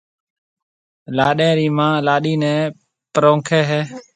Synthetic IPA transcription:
laːɗẽːɾiːmãːlaːɗiːnɛ̃ː | pəɾõːŋkʰeːɦeː

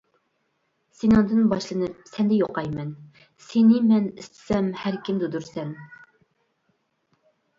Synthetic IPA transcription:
senɑŋd̪ɨnbɑʃlˠɨnɨp̚sɛnd̪ɛjoqɑjmɛn | senɪmɛnist̪ʰɪ̥sɛmhæɾkʲimd̪ud̪uɾsɛn

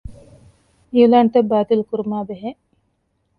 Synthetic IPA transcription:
iulaːnt̪ɐbːaːt̪ilukuɾumaːbeɦe

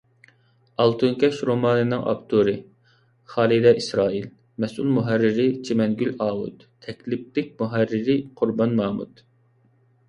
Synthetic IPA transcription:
ɑlˠt̪ʰɨŋkʲɛʃɾomɑːnɨnɨŋʔɑ̰pt̪ʰuɾɨ | χɑːlˠid̪ɛisɾɑːil | mɛsʔulmuɦæɾːɪɾɪt͡ʃʰemɛnɡʲylɑːwṵt̪ | t̪ʰɛkʲlɪp̚lɪk̚ʲmuɦærːɪɾɪqʰʊɾbɑnːɑːmṵt̪

